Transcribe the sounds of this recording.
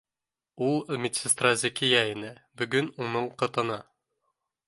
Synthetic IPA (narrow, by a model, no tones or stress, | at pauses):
ulˠmʲɪt̪sʲɪst̪razʲɪkʲijaɪnɘbɵ̆ɡɵnunɤɴqɤ̆t̪ɤ̆nɑ